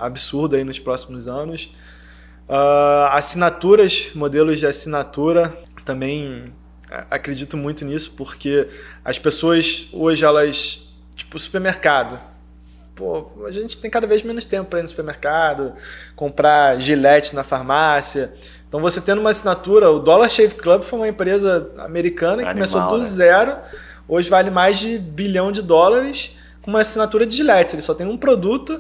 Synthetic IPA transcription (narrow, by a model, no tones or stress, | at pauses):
a̰bisuɾd̪ʊainʊspɾɔsimʊzɐ̃nʊs | aasinat̪uɾɐʃmod̪elʊzd͡ʒɪasinat̪uɾɐt̪ɐ̃mbẽj̃ | a̰akɾed͡ʒit̪ʊmũj̃t̪ʊnisʊ̥poχkeɐ̰spesoɐsoʒɪɛlɐs | t͡ʃi̥pʊsu̥peɾmeɾkad̪ʊ | poaʒẽnt͡ʃɪ̥t̪ẽj̃kad̪ɐvezmẽnʊʃt̪ẽmpʊpɾɐinʊsu̥peɾmeɾkad̪ʊkõmpɾaʒilɛt͡ʃɪ̥nɐfaɾmasiɐ | ẽt̪ɐ̃w̃voset̪ẽd̪ũmɐasinat̪uɾɐʊd̪ɔlaɾʃevklɐbfojũmɐẽpɾezɐa̰meɾikɐ̃nɐkɪkkoomesod̪uzzɛɾʊ | oʒɪvalɪmajzd͡ʒɪbilɐ̃w̃d͡ʒɪd̪ɔlaɾɪs | kõũmɐasinat̪uɾɐd͡ʒɪʒilɛt͡ʃɪzelɪsɔt̪ẽj̃ũpɾod̪ut̪ʊ